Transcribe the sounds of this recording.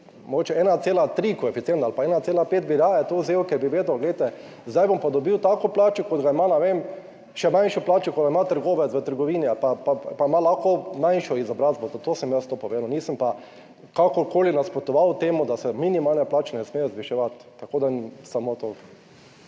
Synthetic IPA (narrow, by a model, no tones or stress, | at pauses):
moɡoːt͡ʃɛɛːnat̪seːlat̪ɾikɔɛfit̪sjent̪alpaɛːnat̪seːlapeːt̪̚biɾaːjat̪ozewkɛɾbiʋeːd̪ʊɡlɛjt̪ɛ | zd̪ajbɔmpad̪ɔbiwt̪aːkɔplaːt͡ʃɛkɔd̪ɡaimanɛʋem | ʃɛmãjnʃɔplaːt͡ʃɛkɔd̪ɡaimat̪əɾɡoːʋɛt̪sʋət̪əɾɡɔʋiːnialpapapamalaxkɔmãjnʃɔizɔbɾazbɔzat̪oːsəmjɛst̪opɔʋeːnʊniːsəmpa | kakɔɾkoːlinaspɾɔt̪ɔʋawt̪eːmud̪asɛminimalnɛplaːt͡ʃɛnɛsmejɛzʋiʃɛʋat̪ːakoːd̪asamot̪o